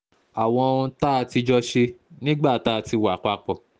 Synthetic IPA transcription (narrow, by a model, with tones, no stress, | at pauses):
a˨w̃ɔ̃˧ũ˧ta˦˧ti˧d͡ʒɔ˧ʃe˧nĩ˦ɡ͡ba˦˨ta˦˧ti˧wa˨k͡pa˧k͡pɔ˨